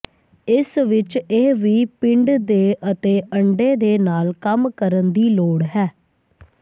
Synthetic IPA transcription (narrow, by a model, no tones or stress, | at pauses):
ɪsʋɪt͡ʃeːʋiːpɪɳɖd̪eːʔət̪eːʔəɳɖeːd̪eːnaːlkəmkəɾənd̪iːloːɽɦɛː